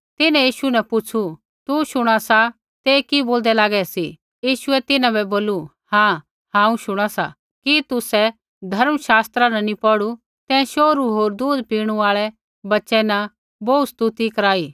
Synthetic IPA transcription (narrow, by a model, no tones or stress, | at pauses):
t̪ɪnãjiːʃunɐpʊt͡ʃʰu | t̪uʃʊɽ̃asa | t̪eːkiboːld̪ɛlaːɡɛsi | jiːʃʊɛt̪ɪnãbɛboːlu | hãː | hãːũʃʊɽ̃asa̰ | kit̪ʊsɛ | d̪ʱɐɾmʃaːst̪ɾanɐnipɔːɽu | t̪ɛ̃ʃoːɾuɦoːɾd̪uːd̪piːɽ̃uaːɭɛ | bɐtːʃɛnɐ | bɔust̪ut̪ikɐɾaːiː